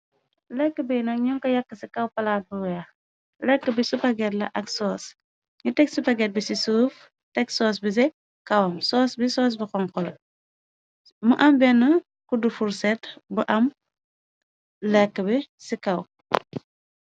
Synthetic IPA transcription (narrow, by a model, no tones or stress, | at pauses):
lɛkːəbɛnɐk̚ɲɔŋkɐjɐkːəsikɐwpɐlaːt̚buwɛ | lɛkːəbisupɐɡɛtlɐ̰ʔɐksɔːs | ɲutɛksupɐɡɛt̚bisisuːf | tɛksɔːs̬bis̬ɛ | kɐwɐmsɔːsbisɔːs̬bikɔŋkɔlɐ̰ | muʔɐmbɛnːə | kudufuɾsɛtbuʔɐm | lɛkːəbɛsikɐw